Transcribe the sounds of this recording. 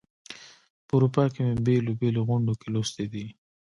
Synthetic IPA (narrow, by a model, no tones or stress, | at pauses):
pəuɾupɑkemebelobeloɣʊɳɖokelost̪ed̪i